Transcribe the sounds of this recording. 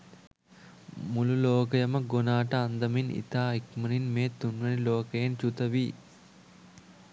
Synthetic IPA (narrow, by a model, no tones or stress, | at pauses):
mululoːkɐjɐmɐɡonaːʈɐːnd̪ɐminḭt̪aːikmɐninmeːt̪ːunʋɐniloːkɐjent͡ʃut̪ɐʋiː